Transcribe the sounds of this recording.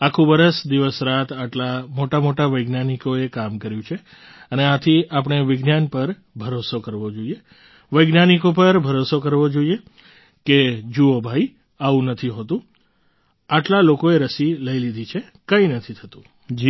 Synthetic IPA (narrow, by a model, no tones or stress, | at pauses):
akʰũʋəɾəsd̪iʋəsɾat̪ʰaʈlamoʈamoʈaʋəjɡnanikoekamkəɾjũt͡ʃʰe | əneãt̪ʰiʔap̬əɳ̃eʋɪɡnanpəɾ | bʱəɾosokəɾʋod͡ʒoie | ʋəjɡnanikop̬əɾbʱəɾosokəɾʋod͡ʒoie | ked͡ʒuobʱai | aʋũnət̪ʰiɦot̪ũ | aʈlalokoeɾəsiləilid̪ʱit͡ʃʰe | kəinət̪ʰit̪ʰət̪ũ̥ | d͡ʒi